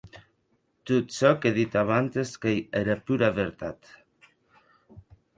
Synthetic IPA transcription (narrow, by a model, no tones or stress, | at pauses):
t̪ut̪sɔkeðit̪aβant̪eskejeɾapuɾaβeɾt̪at̪